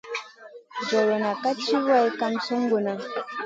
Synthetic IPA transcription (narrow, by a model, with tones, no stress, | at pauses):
d͡ʒɔ˨lo˨na˨ka˦t͡ʃi˦wa˦˨jka˦mso˦ŋɡo˨na˨